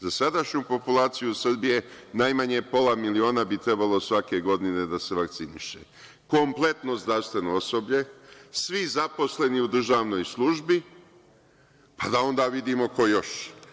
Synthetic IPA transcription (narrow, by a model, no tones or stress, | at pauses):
zasad̪aʃɲupo̞pulaːt̪sijusr̩bije̞ | najmaɲepo̞lamilio̞ːnabit̪ɾe̞balˠo̞sʋake̞ɡo̞d̪ine̞d̪ase̞ʋakt̪sinḭʃḛ | ko̞mple̞t̪no̞zd̪ɾaʋst̪ʋe̞nooso̞bʎe̞sʋizapo̞sle̞niud̪r̩ʒaːʋno̞jslˠuʒbi | pad̪ao̞nd̪aːʋid̪imo̞ko̞jo̞ʃ